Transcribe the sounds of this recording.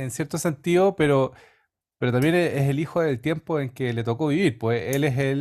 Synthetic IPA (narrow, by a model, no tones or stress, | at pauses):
ensjeɾt̪ose̞nt̪iðopeɾo | peɾot̪ambje̞neeselixoðelt̪je̞mpoe̞ŋkelet̪okoβiβiɾpweelesel